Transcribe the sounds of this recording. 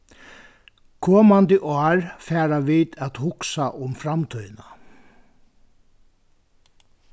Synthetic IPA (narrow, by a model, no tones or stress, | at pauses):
kʰɔːmant̪iʔɔːɹfɛːɾaʋiːt̪æt̪hʊksaʔʊmfɾamt̪ʰœjna